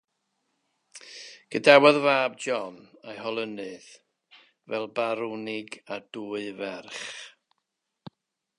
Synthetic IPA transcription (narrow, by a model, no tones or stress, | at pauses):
ɡ̥ədawɔðvaːb̚d͡ʒɔnajɦɔlˠənɨð | vɛlˠbaɾunɪɡad̥uːɨvɛrχ